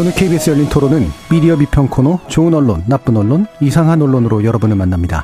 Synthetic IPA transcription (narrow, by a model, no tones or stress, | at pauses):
onɯɭkʰeibes͈ʰɯjʌʎːintʰoɾonɯnmidiʌbipʰjʌŋkʰonot͡ɕoɯnʌɭːonːap͈ɯnʌɭːonisʰaŋɦanʌɭːonɯɾojʌɾʌbunɯɭmanːamɲida̰